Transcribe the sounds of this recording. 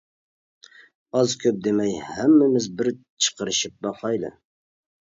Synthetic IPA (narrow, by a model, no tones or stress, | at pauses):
ɑzkʲʰøp̚d̪emɛjhæmːɪmɪzbɪɾ | t͡ʃʰə̥qəɾɨʃɪp̚bɑqɑjlˠɨ̰